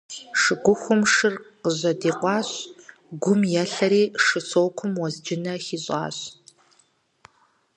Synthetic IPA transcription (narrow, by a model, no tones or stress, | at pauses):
ʂɨɡʷʊxʷʊmʂɨrqəʑɐdiːqʷɑːɕ | ɡʷʊmjɛɬɐɾiːʂɨsowkʷʰʊmwɐzd͡ʒɪnɐxiːɕʼɑ̰ːɕ